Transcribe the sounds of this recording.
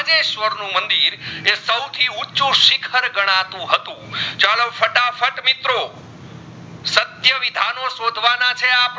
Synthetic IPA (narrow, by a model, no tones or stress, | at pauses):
d͡ʒeʃʋəɾnũmənd̪iɾesəwt̪ʰiuːt͡ʃũʃɪkʰəɾɡəɽ̃ãt̪ũɦət̪ũt͡ʃalofəʈafʰəʈmit̪ɾo | sət̪jəʋɪd̪ʱanosod̪ʱʋanat͡ʃʰeap